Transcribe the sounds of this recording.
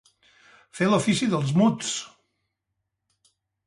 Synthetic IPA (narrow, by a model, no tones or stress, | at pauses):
felufisiðəlˠzmut͡s